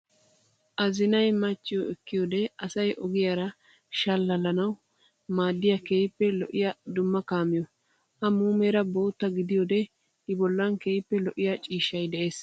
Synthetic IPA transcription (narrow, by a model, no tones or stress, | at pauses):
ʔɐzɪnɐjmɐt͡ʃːɪjɔɛkːɪjɔd̪ɛɐsɐjʔɔɡɪjaɾɐ | ʃɐlːɐlɐnɐw | maːd̪ːɪjakeːjpːɛlɔʔɪjɐd̪ʊmːɐkaːmːɪjɔ | ʔɐmuːmeɾɐbo̞ːt̪ːɐɡɪd̪ɪjɔd̪ɛ | hɪbɔlːɐnkeːjpːɛlɔʔɪjat͡ʃʼiːʃːɐjd̪ɛʔe̞ːs